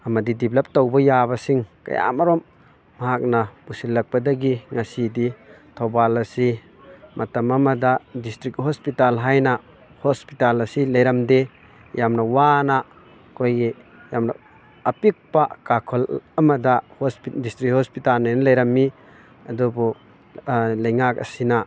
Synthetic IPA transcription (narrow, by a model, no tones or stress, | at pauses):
ɐmɐdidiblɐp̚tɔwbɔjabɐsiŋkɐ̰ja̰maɾɔmː | ɐɦak̚napusilːɐk̚pɐdɐɡiŋasiditʰɔbalɐsi | mʔɐtɐmɐmadadistɾik̚hɔspitalɦajna | hɔspitalɐsilɐjɾɐmde | jamnɐwana | kojɡijamna̰ | ɐpik̚pakakʰɔlɐmɐdahɔsdistɾikhɔspitalnajnɐlɐjɾɐmːi | ɐdubu | lɐjŋak̚ɐ̰sina